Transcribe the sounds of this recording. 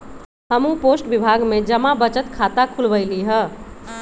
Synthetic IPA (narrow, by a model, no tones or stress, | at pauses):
ɦəmũposʈbibʱaɡmed͡ʒəmabət͡ʃət̪kʰat̪akʰulbəjliɦə